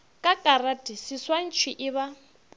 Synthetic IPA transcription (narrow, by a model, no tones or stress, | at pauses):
kʼakʼaɾad̥ʱisiswan̩t͡ʃʰwiʔɪβa